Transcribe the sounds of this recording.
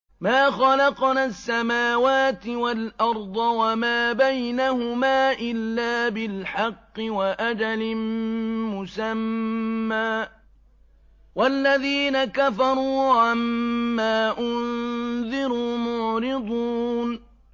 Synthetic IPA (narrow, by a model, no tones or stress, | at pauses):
maːxɑlɑqnaːsːamaːwaːt̪ɪwalʔɑɾˤd̪ˤɑwamaːbajnahʊmaːʔɪlːaːbɪlħɑqːɪwaʔad͡ʒalɪ | mʊsamː | aː | walːaðiːnakafɑɾˤuːʕamːaːʔʊnðɪɾuːmʊʕɾɪd̪ˤuːn